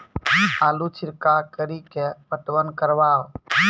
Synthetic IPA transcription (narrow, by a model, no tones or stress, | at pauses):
aːlut͡ʃʰiɾkakəɾikepəʈʋənkəɾʋaːw